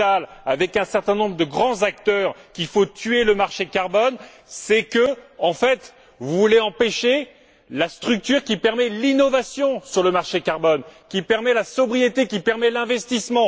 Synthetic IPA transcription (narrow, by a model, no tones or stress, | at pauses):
alavɛkɛ̃sɛʁt̪ɛ̃nɔ̃bʁəd̪əɡʁɑ̃zak̚t̪œʁkʲifot̪ʰyeləmaʁʃekaʁbɔn | sɛkəɑ̃fɛt̪ | vuvuleɑ̃peʃe | last̪χyk̚t̪yʁkʲipɛʁmɛlinɔvasjɔ̃syʁləmaʁʃekaʁbɔnkʲipɛʁmɛlasɔbʁijet̪ekʲipɛʁmɛlɛ̃vɛst̪ismɑ̃